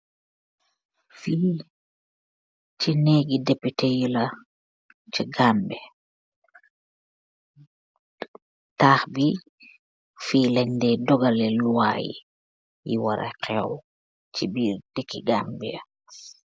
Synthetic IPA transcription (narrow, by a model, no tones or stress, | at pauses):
fiː | t͡ʃineːɡidɛpːitejula | t͡ʃiɡambɛ | taːxbi | fiːlɛɲdɛdɔɡalɛluwa̰jḭ | jḭwaɾa̰kʰɛw | t͡ʃibiɾd̥ekːiɡambḭa